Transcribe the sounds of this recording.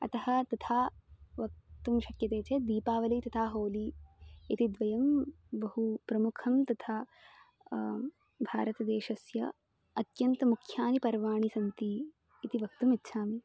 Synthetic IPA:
ɐ̰t̪ɐɦɐ̆t̪ɐt̪ʰaːʋɐk̚t̪umʃɐkjɐt̪eːt͡ʃed̪iːpaːʋɐlɐjt̪ɐt̪ʰaːɦoːliit̪id̪ʋɐjɐm | bɐɦupɾɐmukʰɐmt̪ɐt̪ʰaː | bʱaːɾɐt̪ɐd̪eːʃɐsjɐ | ɐt̪jɐnt̪ɐmukʰjaːnipɐɾʋaːɳ̃isɐnt̪iː | t̪iʋɐk̚t̪umitːʃʰaːmi

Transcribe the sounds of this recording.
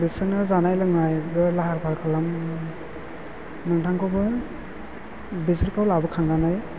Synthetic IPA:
bisɯnɯzanajlɯŋnajɡɯlaɦaɾpʰaɾkʰalam | nɯŋtʰaŋkʰɔbɯ | bisɯɾkʰawlabɯkʰaŋnanaj

